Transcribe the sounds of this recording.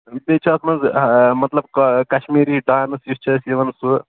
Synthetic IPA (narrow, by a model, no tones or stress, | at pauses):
bet͡ʃʰɐɐsmɐnzmɐt̪lɐbkkɐʃmiːɾiɖaːjnɐsist͡ʃʰɐsiʋɐnsu